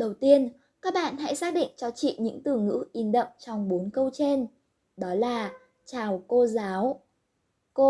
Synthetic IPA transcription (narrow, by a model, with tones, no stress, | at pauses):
ɗə˨˩wt̪i˧ən | kaː˦˥k̚ɓa̰ː˧˨nɦa̰˧˥jsaː˦˥k̚ɗḭ̈˧˨ŋ̟t͡ɕɔ˧t͡ɕḭ˧˨ɲɨ̰˧˥ŋt̪ɨ˨˩ŋɨ̰˧˥ʔi˨˦nɗə̰˧˨wŋ͡mt͡ɕɔ˧wŋ͡mɓo˨˦nkə˧wt͡ɕe˧n | ɗɔ˨˦laː˨˩ | t͡ɕaː˨˩wko˧zaː˨˦w | ko˧